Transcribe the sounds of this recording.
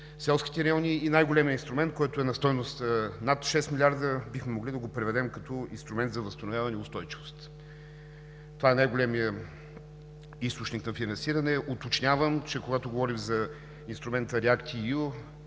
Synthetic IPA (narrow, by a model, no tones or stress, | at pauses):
sɛlˠskʲi̥t̪ɛɾɐjɔnʲiːnajɡolɛmiəinst̪ɾʊmɛnt̪̚kɔjt̪ʊɛnɐst̪ɔjnʊst̪nat̪ʃɛsmilʲaɾd̪əbixmɛmoɡlid̪ɐɡopɾɛvɛd̪ɛmkɐt̪ɔḭnst̪ɾʊmɛnt̪zɐvɐst̪ɐnʊvjavɐnɛiʊst̪ɔjt͡ʃivʊst̪ | t̪ovaɛnajɡolɛmijə | ist̪ot͡ʃniknɐfinɐ̃nsiɾənɛʔot̪ot͡ʃnʲavəmt͡ʃɛkoɡat̪oɡovɔɾixzɐ | inst̪ɾʊmɛnt̪əɾɛakt̪ʲiu